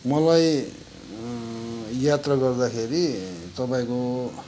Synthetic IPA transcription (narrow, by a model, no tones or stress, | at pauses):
mʌlaj | jat̪rʌɡʌrd̪akʰeɾit̪ʌpaĩko